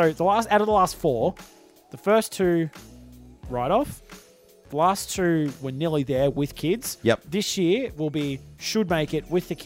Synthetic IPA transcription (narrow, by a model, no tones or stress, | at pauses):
soʊðəlæstaʊɾəvðəlæstfɔɹ | ðəfɜ˞stʰʉ | ɹaɪɾɔf | ðəlæstʰʉwə˞nɪlˠiðə˞wɪð̥kʰɪdz̥jɛðɪsjɪɹwɪlˠbiʃɨd̚meɪkɨt̚wɪðɨkʰ